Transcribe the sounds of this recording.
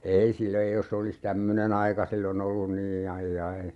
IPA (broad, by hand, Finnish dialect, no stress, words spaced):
ei sil ei jos se olis tæmːønen ɑikɑ silːon olːun niː ɑijːɑi